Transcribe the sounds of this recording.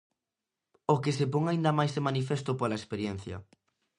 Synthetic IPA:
okɪsepoŋaind̪ɐmajsemanifest̪ʊpolɐespeɾjɛn̟θjɐ̰

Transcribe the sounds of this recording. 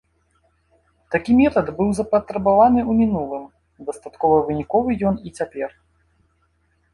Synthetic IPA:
t̪akʲimʲɛt̪ɐd̪bɨwzɐpɐt̪ɾɛbavanɨumʲinulˠɨm | d̪ɐst̪at̪kɔvɐvɨnʲikɔvɨjɔnit͡sʲapʲɛr

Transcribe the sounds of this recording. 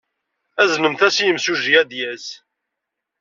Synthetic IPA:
æznəmθæsijəmsuʒiæd̪jæs

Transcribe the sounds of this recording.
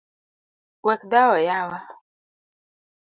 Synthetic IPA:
wɛkdawɔjawa

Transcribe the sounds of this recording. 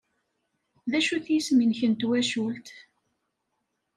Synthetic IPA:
ðæʃuθjisminçənt̪wæʃult̪

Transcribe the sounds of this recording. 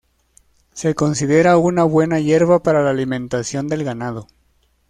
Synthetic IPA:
se̞ko̞nsiðe̞ɾaunaβwe̞naʝe̞ɾβapaɾalaːlimẽ̞nt̪asjo̞nd̪e̞lɣanað̞o̞

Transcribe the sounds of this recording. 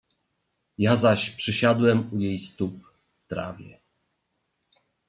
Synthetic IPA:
jazaɕpʂɘɕad̪wɛmujejst̪up̚ | ft̪ɾa̰vʲjɛ̰

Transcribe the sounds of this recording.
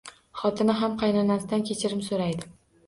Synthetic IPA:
χɒt̪ʰɪnɪɦamqʰɑjnɒnasɪd̪ankʲʰet͡ʃʰɪɾɪmsoɾajd̪ɪ

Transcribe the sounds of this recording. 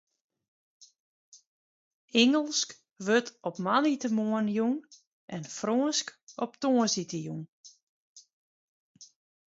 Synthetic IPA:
ɪŋəlˠsk | ʋøtɔpmanitəmoənjuŋ | ʔɛnfroənskɔp̚toəsitəjuŋ

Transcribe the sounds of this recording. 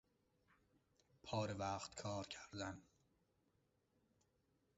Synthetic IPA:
pʰɒːɾevæːχt̪kʰɒːɾcʰæɾd̪æn

